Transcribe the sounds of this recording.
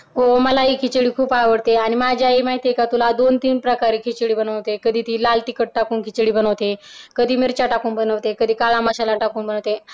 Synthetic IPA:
ɦoməlaɦiːkʰit͡ɕɭiːkʰuːpaʋəɽt̪eaɽ̃imad͡ʑʱaimaɦit̪ekat̪ulad̪ont̪iːnpɾəkaɾekʰit͡ɕɽiːbənəʋt̪ekəd̪ʱiːt̪iːlalt̪ikəʈ̚ʈakuːnkʰit͡ɕɽiːbənəʋt̪ekəd̪ʱiːmiɾt͡ɕaʈakuːnbənəʋt̪ekəd̪ʱiːkaɭamaɕalaʈakuːnbənəʋt̪e

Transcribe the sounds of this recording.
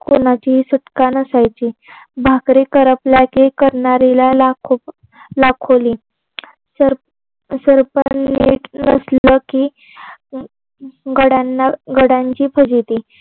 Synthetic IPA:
konat͡ɕisuʈkanəsajt͡ɕibʱakɾikəɾəpljakekəɾɳaɾilalakʰo | lakʰoli | səɾ | səɾpənḛʈnə̰sləki | ɡəɽanːaɡəɽjãɲt͡ɕiːpʰəd͡ʑit̪i

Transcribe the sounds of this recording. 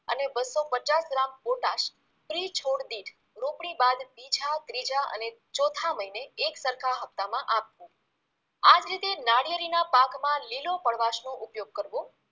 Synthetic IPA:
ə̰nebəsːopət͡ʃasɡɾamboʈaʃ | fɾit͡ʃʰoɽd̪iʈʰ | ɾũpɽibad̪bid͡ʒat̪ɾid͡ʒaʔə̰net͡ʃɔt̪ʰaməineːksəɾkʰaɦəp̚t̪amãʔapʋũ | ad͡ʒɾit̪enaɽijəɾinapakmãlilopəɭʋaʃnõʔʊpjoɡ̚kəɾʋũ

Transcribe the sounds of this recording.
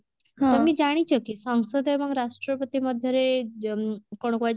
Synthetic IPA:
ɦt̪əmiːd͡ʑaɽ̃it͡ɕʰəkiːsəŋɡsəd̪ʱeməɡɾaʂʈɾəpət̪iməd̪ʱːjəɾe | koɽ̃koa

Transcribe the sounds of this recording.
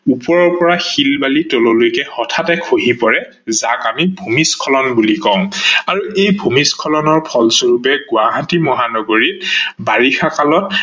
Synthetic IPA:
upɔɹɔɹpɔɹaxilbalitɔlolojkɛhɔtʰatɛkʰoɦipɔɹɛ | zakamibʱumiskʰɔlɔnbulikɔ̃ʊ̃aɹuʔejbʱumiskʰɔlɔnɔɹpʰɔlsoɹupɛɡʊaɦatimɔɦanɔɡoɹit̚baɹixʰakalɔt̚

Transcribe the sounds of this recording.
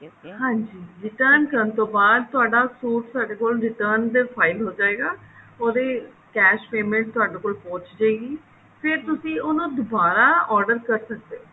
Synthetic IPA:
hãːɲd͡ʒiːɾɪʈəɾnkəɾənt̪õːbaːd̪̚t̪ʊaːɖaːsuːʈ̚t̪aːɖeːkoːlɾɪʈəːɾnd̪eːpʰaːɪlɦoːd͡ʒaːeːɡaː | oːd̪eː | kɛːʃpeːmẽɳʈ̚t̪ʊaːɖeːkoːlpõːt͡ʃd͡ʒaeːɡiː | pʰɪɾt̪ʊsĩːonũːd̪ʊbaːɾaːɔːɾɖəɾkəɾsək̚d̪e

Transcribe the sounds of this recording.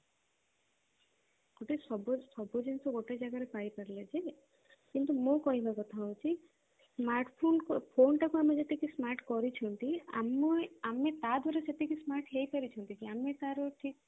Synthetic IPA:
ɡ̥oʈesɔbɔsɔbʱɔd͡ʒensɔɡoʈed͡ʒaɡaɾepaɽipaɾiled͡ʒe | kint̪umõkɔɦibakɔt̪ʰaɦowt͡ʃʰi | smaɾʈpʰonkpʰonʈakuamed͡ʒet̪ekismaɾʈkɔɾit͡ʃʰɔnt̪ia̰mamet̪ad̪ʱwaɾeseʈ̪ekismaɾʈɦejpaɾit͡ʃʰɔnt̪ikiamet̪aɾɔʈʰik

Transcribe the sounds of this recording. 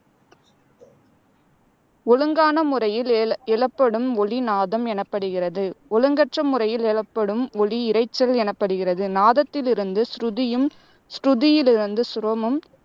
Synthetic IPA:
ɔɻɯŋɡaːnɐmɯrɐjɪlɛɭɐpːɐɽɯmɔɭinaːðɐmɛnɐpːɐɽɯɣɪrɐðɯɔɻɯŋɡɐʈrɐmɯrɐjɪlɛɭɐpːɐɽɯmɔliɪɾɐɪt͡ʃːɐlɛnɐpːɐɽɯɣɪrɐðɯnaːðɐt̪ːɪlɪɾɯnd̪ɯsɾʊðɪjɯm | sɾʊðɪjɪlɪɾɯnd̪ɯsʊɾɐmɐm

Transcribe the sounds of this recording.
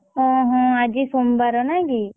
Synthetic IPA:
ɔ̃ɦɔ̃ad͡ʒisombaɾɔnaɡi

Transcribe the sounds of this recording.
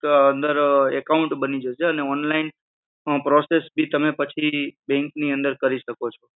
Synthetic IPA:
ənd̪əɾɛkaũɳʈbənid͡ʒeʃeəneɔnlain | pɾosesbʱit̪əmepət͡ʃʰibɛ̃ŋkniə̃nd̪əɾkəɾiʃəkot͡ʃʰo

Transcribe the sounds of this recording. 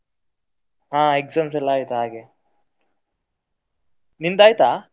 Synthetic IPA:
ɦãːekzams̬ɐlaːjit̪ɦaːɡe | nind̪aːjt̪aː

